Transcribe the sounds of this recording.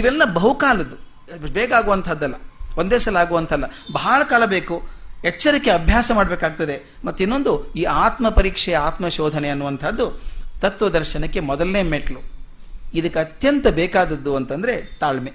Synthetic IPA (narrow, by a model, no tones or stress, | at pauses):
iʋɛlːɐbɐɦukaːlɐd̪u | beːkaːɡuʋɐnt̪ʰɐd̪ːɐlːɐond̪eːsɐlaːɡuʋɐnt̪ʰɐlːɐbɐaːɭɐkaːɭɐbeːkuɦɛt͡ʃːɐɾikːeɐbʱjaːsɐmaːɽɐbeːkaːɡ̚t̪ɐd̪e̞ | mɐt̪ːuinːo̞nd̪uiːaːt̪mɐpɐɾiːkʂɛjɐaːt̪mɐʃɔːd̪ʱɐneɐnːuʋɐnt̪ʰɐd̪ːut̪ɐt̪ʋɐd̪ɐɾʃɐnɐkːe̞mɔd̪ɐlneːmeʈlu | id̪ɐkːɐt̪jɐnt̪ɐbeːkaːd̪ɐd̪ːuɐnt̪ɐnd̪ɐɾe̞t̪aːɭme